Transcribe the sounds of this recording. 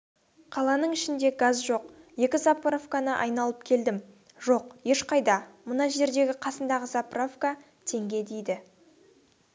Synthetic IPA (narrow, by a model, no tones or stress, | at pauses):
qʰɑlˠɑnəɴɪʃɪnd̪e̞ɡazʒo̞q | je̞kʲɪzapravkanəʔɑ̰jnɑlˠəp̚kʲʰe̞ld̪ɪm | ʒ̥o̞qje̞ʃqʰɑjd̪ɑmʊnɑʒe̞ɾd̪e̞ɡʲɪqʰɑsənd̪ɑʁəzapravka | t̪ʰe̞ŋɡʲe̞d̪ejd̪ɪ